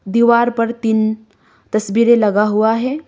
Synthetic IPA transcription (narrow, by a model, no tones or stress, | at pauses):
d̪iːʋaːɾpɐɾt̪iːn | t̪ɐsbiːɾẽlɐɡaɦuaɦɛː